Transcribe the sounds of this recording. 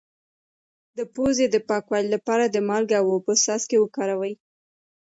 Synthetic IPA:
d̪əpozed̪əpɑkwɑlilapɑɾad̪əmɑlɡawopəsɑskewəkɑɾawəj

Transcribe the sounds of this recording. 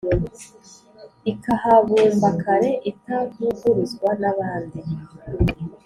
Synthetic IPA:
ikahaβuːmbakʰaɾe̞ʔitakuɡuɾuzɡwanaβaːndi

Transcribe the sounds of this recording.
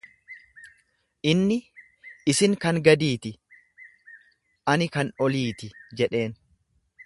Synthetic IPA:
ʔɪnːɪ | ɪsɪŋkɐŋɡɐd̪iːt̪ɪ | ʔɐnɪkɐnɔliːt̪ɪd͡ʒɛᶑe̞ːn

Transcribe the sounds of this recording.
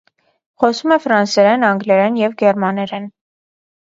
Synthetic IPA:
χɔsumɛfɾɑnsɛɾɛnɑŋɡlɛɾɛnjɛvɡɛɾmɑnɛɾɛn

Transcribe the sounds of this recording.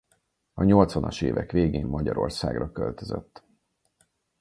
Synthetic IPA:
ɒɲo̞lt̪sʋɒnɒʃeːvɛkʋeːɡeːmːɒɟɒɾo̞rsaːɡrɒkølt̪øzɛt̪ː

